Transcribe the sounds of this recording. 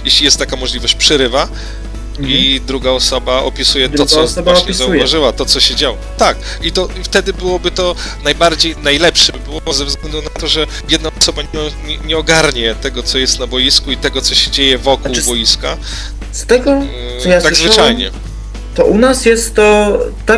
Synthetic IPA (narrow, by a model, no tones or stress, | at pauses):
jeɕlʲijɛst̪ːakamɔʐlʲivɔɕt͡ɕpʂɛɾɘva | id̪ɾuɡaɔsɔbaʔɔpʲisujɛɔsɔbvaɕɲɛszaujvaʐɘwat̪ɔt̪sɔɕɛd͡ʑawɔt̪ak̚ | it̪ɔft̪ɛd̪ɘbɘwɔbɘt̪ɔ | najbaɾd͡ʑejnajlɛpʂɛbbɘwɔɔzɛvzɡlɛnd̪unat̪ɔʐɛ | jɛd̪naɔsɔbaɲɛɲɛɲɛɔɡaɾɲɛt̪ɛɡɔt̪sɔjɛst̪nabɔjiskuit̪ɛɡɔtsɔɕɛd͡ʑejɛvɔkuwbɔjiska | st̪ɛɡɔ | ɔjat̪aɡzvɨt͡ʂajɲɛ | t̪ɔʔunasjɛst̪ːɔt̪a